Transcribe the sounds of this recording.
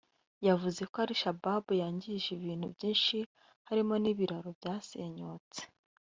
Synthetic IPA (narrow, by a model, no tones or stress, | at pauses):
javuze̞koaɾiʃababujaːɲɟiʒiβiːn̥hubɟiːnʃi | haɾimo̞niβiɾaɾo̞bjaːse̞ɲo̞ːt͡se̥